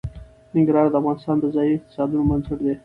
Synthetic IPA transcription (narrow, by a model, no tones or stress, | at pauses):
nɪŋɡɾɑɾd̪əafɣɑnɪst̪ɑnd̪əzɑiɪq̚t̪ɪ̥sɑd̪unomanzəɾd̪e